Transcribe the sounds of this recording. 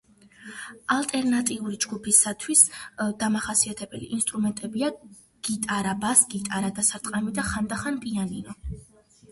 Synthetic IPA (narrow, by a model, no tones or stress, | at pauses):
alˠt̪ʼɛɾnat̪ʼiuɾid͡ʒɡupʰisat̪ʰwisd̪amaχasiat̪ʰɛbɛlḭʔinst̪ʼɾumɛnt̪ʼɛbia | ɡ̥it̪ʼaɾabasɡ̥it̪ʼaɾad̪asaɾt̪ʼqʼamid̪aχand̪aχanpʼianinɔ